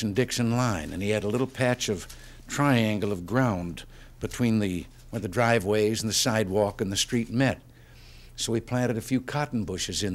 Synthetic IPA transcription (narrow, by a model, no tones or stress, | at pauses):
n̩dɪkʃɨ̃nlãɪ̃nɨ̰̃niɨɾəlɪɾl̩ˠpʰæt͡ʃʌv̥ | tʰɹ̥aɪæ̃ŋɡl̩ˠʌvɡɹãʊ̃n | bɨtʰw̥ĩnðɨ | wəðɨdɹaɪvweɪzn̩ðɨsaɪd̚wɔkɨ̃nðɨstɹ̥it̚mɛt̚ | soʊipʰl̥æ̃ɾ̃ɨɾɨfjʉkʰɑʔn̩bʊʃɨzɨ̃n